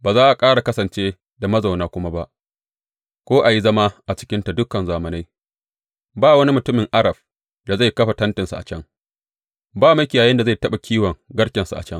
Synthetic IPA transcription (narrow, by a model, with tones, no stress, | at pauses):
baː˨zaː˦ʔa˨kʼaː˦ɽa˨kɐ˦sɐ˨nt͡ʃeː˦ | da˨mɐ˦za˨wnaː˦kʷʊ˦ma˦ba˦ʔ | kʷoː˦ʔa˨ji˦zɐ˦ma˦ʔa˨t͡ʃɪ̥˦kʲɪ˦nta˨dʊ˦kɐ˨nzaː˨mɐ˨na˦j | baː˦˨wɐ˦ni˦mʊ˨tʊ˦mɪ˨ŋʔa˦ɾɐ˨b̚ | da˨za˦˨kɐ˦ɸa˨tɐ˦ntɪ˨nsa˨ʔa̰˨t͡ʃɐ˦ŋ | baː˦mɐ˦kʲɪ˨jaː˨jɪ˦nda˨za˦˨jtɐ˦ɓa˨kʲʰiː˦wɐ˨ŋɡɐ˦ɽkʲɛ˨nsu˨ʔa̰˨t͡ʃɐ˦ŋ